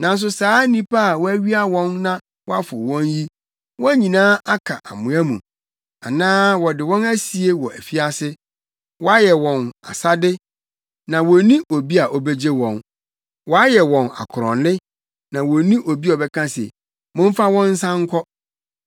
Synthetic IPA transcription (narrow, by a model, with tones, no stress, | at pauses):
nã˨n̩˦s̬ʊ˨saː˦nĩ˦pʰa˦a˨wɔ˦æ˦ɥi˦a˦wɔ̃˦nːã˦ | wɔ˦a˦fʊ̰˨wɔ̃˦nji˦ | wɔ̃˦æ˦ɲĩ˨nãː˦ʔa˦kʰa̰˨ʔa˨mũ˨æ̃˦mṵ̃˨ | a̰˨nãː˦wɔ˨dɪ˨wɔ̃˦næ˦si˨e˦wɔ˨æ̰˨fi˦a˦sɪ˦ | wɔ˦a˦jɛ˨wɔ̃˨na̰˨sa˦dɪ˦ | nã˨wɔ˨nĩ˦ʔo˨bi˦a˨ʔɔ˦be˦d͡ʑe˦wɔ̃˨n | wɔ˨˦a˦jɛ˨wɔ̃˨na̰˨kʰʊ˨ɾɔ̰̃˨nlɪ˦ | nã˨wɔ˨˦nĩ˦ʔo˨bi˦ɔ˨bɛ˦kʰã˦sɛ̰˨ | mʊ̃˦m˦fa˦wɔ̃˦n̩˦sã˦ŋ̩˦kʰɔ˦